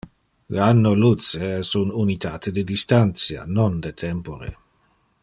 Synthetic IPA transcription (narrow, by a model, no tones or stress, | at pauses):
leanːolut͡seɛsununit̪ʰaːt̪ed̪ed̪ist̪ant̪sja̰nond̪et̪ʰɛmpoɾḛ